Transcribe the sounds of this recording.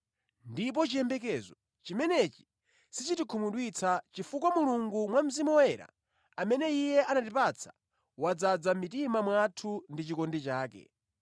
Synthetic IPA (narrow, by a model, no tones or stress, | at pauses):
ndip̬ɔt͡ʃijɛmbɛk̬ɛzɔ | t͡ʃimɛnɛt͡ʃi̥ | sit͡ʃitikʰumuɗwit͡sʰat͡ʃifuk̬wamuluŋɡumwam̩zimɔɛɾa̰ | amɛnɛijɛʔanatipat͡sʰḁ̰ | wad͡zad͡zamitimamwatʰundit͡ʃikɔndɛt͡ʃaːkɛ̰